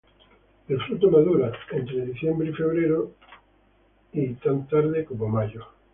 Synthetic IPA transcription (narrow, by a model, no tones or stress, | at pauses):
d̪efɾut̪omaðuɾaent̪ɾeðiθjembɾɪifeβ̞ɾeɾo | it̪ant̪aɾðɪkomomaʎʊ